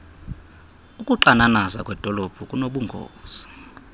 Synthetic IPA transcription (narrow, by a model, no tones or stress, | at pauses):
ukʼuǃananaza̰kʼwɛd̥ʱɔlɔb̥ʱukʼunoɓuŋɡʱo̰ːz̥i